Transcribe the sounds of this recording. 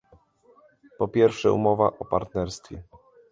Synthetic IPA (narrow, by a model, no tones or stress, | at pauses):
pɔpʲjɛɾfʂɛṵmɔva̰ʔɔpaɾt̪nɛɾst̪fʲjɛ